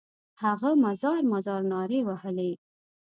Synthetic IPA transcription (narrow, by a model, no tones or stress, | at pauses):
haɣamazɑɾmazɑɾnɑɾewahəle